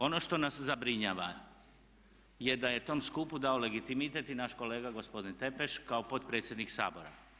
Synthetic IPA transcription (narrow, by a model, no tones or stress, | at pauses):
o̞no̞ʃt̪o̞naszabɾiɲaːʋa | je̞d̪aje̞t̪o̞mskupud̪aole̞ɡit̪imit̪et̪inaʃko̞le̞ːɡaɡo̞spo̞d̪int̪e̞pe̞ʃkaopo̞t̪pɾe̞ːt̪sjed̪niksa̰ːbo̞ɾa̰